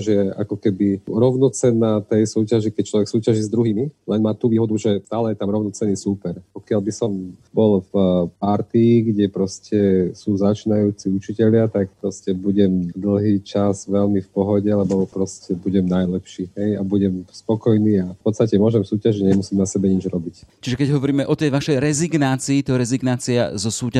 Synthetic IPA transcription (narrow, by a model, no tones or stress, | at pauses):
ʒɛa̰kɔkɛbiɾɔʊnɔt͡sɛnaːt̪ɛjsuːcaʒikɛc̚t͡ʃlɔʋɛksuːcaʒizd̪ɾuɦiːmilɛnmaːt̪uːʋiːɦɔd̪uʒɛt̪aːlɛjɛt̪amɾɔʊnɔt͡sɛniːsuːpɛɾpɔkɪaʎbisɔmbɔlfpaɾt̪iiɡɟɛpɾɔscɛsuːzat͡ʃiːnajuːt͡siut͡ʃicɛʎɪat̪akpɾɔscɛbuɟɛmd̪l̩ɦiːt͡ʃazʋɛlmifpɔɦɔɟɛalɛbɔpɾɔscɛbuɟɛmnajlɛpʃiːɦɛjabuɟɛmspɔkɔjniːapɔt̪st̪acɛmʊɔʒɛmsuːcaʒiɲɛmusiːmnasɛbɛɲid͡ʒɾɔbict͡ʃiʒɛkɛɟɦɔʋɔɾiːmɛʔɔt̪ɛjʋaʃɛjɾɛziɡnaːt͡siːt̪ɔɾɛziɡnaːt͡sia̰zɔsuːca